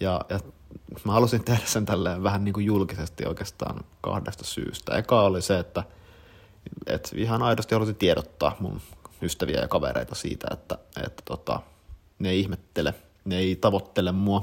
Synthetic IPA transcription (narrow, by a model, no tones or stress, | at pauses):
jɑjɑmæhɑlusint̪ehdæssent̪ælːeːʋʋæhænniːŋkujjulkisest̪io̰ikeːst̪ɑ̰ːnkɑ̰hdest̪ɑ̥sy̰ːst̪æ̰ekɑoliseet̪ːæ | ḛt̪ḭhɑnɑidost̪ihɑlusit̪ieɾot̪ːɑ̰ːhmṵnyst̪æʋiæ̰jɑ̰kɑʋḛɾḛit̪ɑsḭːt̪æ̰ḛt̪ːæḛt̪ːæ̥t̪ot̪ɑ̰ | neeˑiihmet̪ːele | neeit̪ɑʋot̪ːelemmuɑ